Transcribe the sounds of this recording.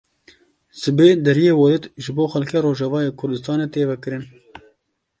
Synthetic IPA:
sɨbeːd̪ɛɾijeːwɔlɨt̪ʒɨboːxɛlkʰeːɾoːʒɑvɑːjeːkʰʊɾd̪ɨst̪ɑːneːt̪eːvɛkɨɾɨn

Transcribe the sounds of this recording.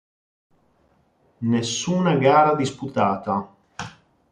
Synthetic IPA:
nesːuːnaɡaːɾad̪isput̪aːt̪a

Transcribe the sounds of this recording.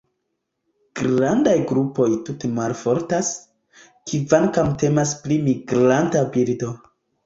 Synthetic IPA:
ɡ̥ɾandajɡɾupo̞jtutemalfo̞ɾtas | kivaŋkamte̞masplimiɡɾantabiɾdo̞

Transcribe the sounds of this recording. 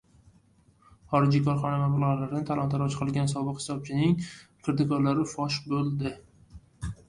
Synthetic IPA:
χɒɾɪd͡ʒikʰɒɾχɒnavabɪlˠɒʁalaɾɪnɪt̪ʰalˠɒnt̪ʰaɾɒt͡ʃʰqʰɨlˠɡʲansɒbɨqhɪ̥sɒb̚t͡ʃʰɪnɪŋkʰɨɾd̪ɪkɒɾlaɾɪfɒʃbolˠd̪ɪ

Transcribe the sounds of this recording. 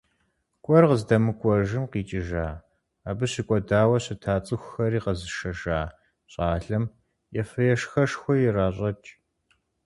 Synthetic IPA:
kʷʼɔrqəzdɐmɨkʷʼɔʒɨmqiːt͡ʃʼɪʒaː | aːbɨɕɪkʷʼɔdaːwɐɕɪtʰaːt͡sʼɨxʷxɐriːqəzɨʃɐʒaː | ɕʼaːɬɐm | jɛfɨjɛʂxɐʂxʷɔjɪraːɕʼɐt͡ʃʼ

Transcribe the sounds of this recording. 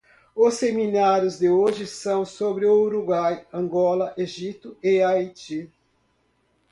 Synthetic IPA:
ʊseminaɾjʊzd̪ɪoʒɪsɐ̃w̃sobɾɪooɾuɡwajɐ̃ŋɡɔlɐʔeʒit̪ʊeajt͡ʃi

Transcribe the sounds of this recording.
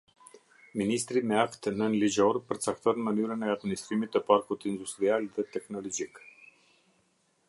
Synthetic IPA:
minist̪ɾimɛakt̪nənlid͡ʒɔɾpəɾt͡sak̚t̪ɔnəmənyɾənɛad̪minist̪ɾimit̪ːəpaɾkut̪ind̪ust̪ɾialðɛt̪ɛknɔlɔd͡ʒik

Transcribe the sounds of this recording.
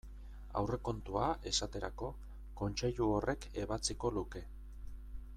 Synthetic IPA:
a̰wre̞ko̞nt̪uaʔe̞sat̪e̞ɾako̞ | ko̞nt͡ʃe̞ʎuorʔe̞ke̞βat͡siko̞luke̞

